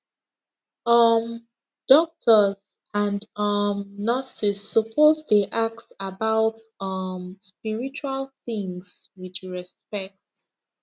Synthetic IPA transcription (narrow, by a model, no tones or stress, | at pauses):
ʌm | d̥ɔk̚tʰəz | ãndʌmnɔsisːɔpʰozdeʔak̚tsabaʊtʌmspiɹit͡ʃualθĩŋswit͡ʃɹɛspɛk̚t